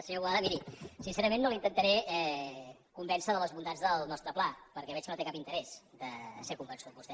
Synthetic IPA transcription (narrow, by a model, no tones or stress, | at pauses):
sewaðəmiɾisinsɛɾəmenːolint̪ənt̪əɾɛɛkumbɛnsəðələzβund̪azðəlˠnɔst̪ɾəplapəɾkɛβɛt͡ʃkənot̪ekapint̪əɾɛzd̪əsekumbənsut̪βust̪ɛ